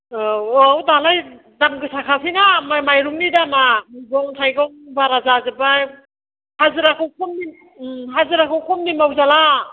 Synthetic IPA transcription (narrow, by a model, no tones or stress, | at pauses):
ɔwdalaj | damɡɯsakʰasinamamajɾuŋnidamamɡɔŋtʰajɡɔŋbaɾazazɯbaj | hazɯɾakʰɯwkʰɔmni | ɦazɯɾakʰɯwkʰɔmnimawzala